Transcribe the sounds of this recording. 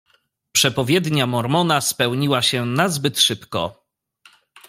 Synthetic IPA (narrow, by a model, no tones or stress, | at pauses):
pʂɛpɔvʲjɛd̪ɲamɔɾmɔnaspɛwɲiwaɕɛnazbɘt̪ʂɘpkɔ̰